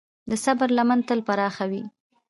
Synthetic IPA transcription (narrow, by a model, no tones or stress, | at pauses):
d̪əsabɾlamant̪əlpaɾɑxawi